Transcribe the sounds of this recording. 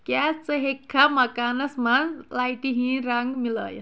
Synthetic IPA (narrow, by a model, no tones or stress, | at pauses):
kjat͡səɦekʰːaməkanəsmanlajʈiɦĩɾaŋɡmilə̰ːj̰